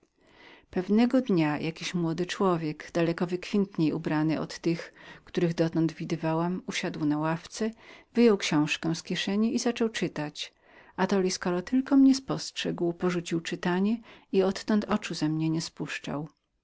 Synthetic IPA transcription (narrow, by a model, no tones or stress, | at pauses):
pɛvnɛɡɔd̪ɲajʔakʲiɕmwɔd̪ɘt͡ʂwɔvʲjɛɡd̪̥alɛkɔvɘkfʲɛnt̪ɲejubɾanɘɔ̰t̪ːɘxkt̪uɾɘɣd̪ɔt̪ɔnd̪vʲid̪ɘvawamuɕad̪wnawaft̪sɛvɘjɔwkɕɔ̃w̃ʂkɛw̃skʲjɛʂɛɲɛʔizat͡ʂɔwt͡ʂɘt̪at͡ɕ | at̪ɔlʲiskɔɾɔt̪ɘlkɔmɲɛspɔstʂɛɡwpɔʐut͡ɕiwt͡ʂɘt̪aɲɛiɔt̪ːɔnt̪ʰɔt͡ʂuzamɲɛɲɛspuʂt͡ʂa̰w